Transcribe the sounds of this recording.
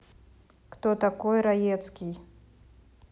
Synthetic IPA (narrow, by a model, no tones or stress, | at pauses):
kt̪ot̪akɔjɾajɛt̪skʲij